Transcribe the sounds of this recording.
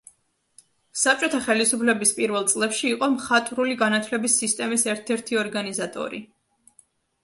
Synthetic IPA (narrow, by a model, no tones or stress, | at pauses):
sap̚t͡ʃʼɔt̪ʰaχɛlisupʰlɛbispʼiɾvɛlˠt̪sʼlɛpʃiːqʼɔmχat̪ʼɾuliɡanat̪ʰwlɛbisːist̪ʼɛmisɛɾt̪ʰɛɾt̪ʰiɔɾɡanizat̪ʼɔ̰ɾḭ